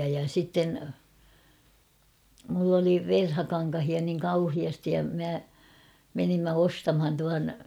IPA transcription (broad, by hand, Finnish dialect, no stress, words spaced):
jɑ sitːen mulː oli ʋerhɑkɑŋkɑhiɑ niŋ kɑuhiɑstij jɑ mæ menimːæ ostɑmhɑn tuɑn